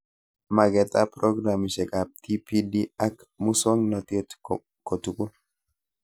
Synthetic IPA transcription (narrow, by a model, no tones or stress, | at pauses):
mɐɡɛt̪ʼapɾɔɡɾamɪʃɛkʼab̚t̪ʰipʰidiɐk | mʊsɔŋnɔt̪et̪ | kɔt̪ʊkʼʊn